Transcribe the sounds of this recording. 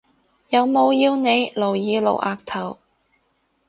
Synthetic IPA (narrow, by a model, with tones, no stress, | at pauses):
jɐ˨˧wmo˨˧wjiː˧wne˨˧jlo˨˩wjiː˨˧lo̰˨˩wʔaː˨˧k̚t̪ʰɐ˨˩w